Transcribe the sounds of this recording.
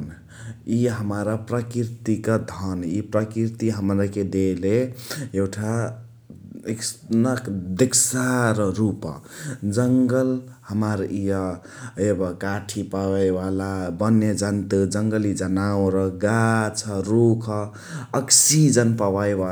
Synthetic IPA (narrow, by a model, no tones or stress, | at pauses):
n | iɦəmaɾapɾəkiɾt̪ikad̪ʱʌnipɾəkiɾt̪iɦəmɾaked̪eleewʈʰa | eksnəkd̪eksaɾɾupʌ̰d͡ʒəŋɡəlhəmaɾijʌ | ebʌkaʈʰipaajbalabənːed͡ʒənt̪ɨd͡ʒəŋɡəlid͡ʒənawɾʌɡat͡ʃʰʌɾukʰəː | ksid͡ʒənpawajba